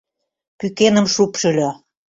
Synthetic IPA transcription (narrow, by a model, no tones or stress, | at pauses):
pykenə̆mʃupʃə̆lʲø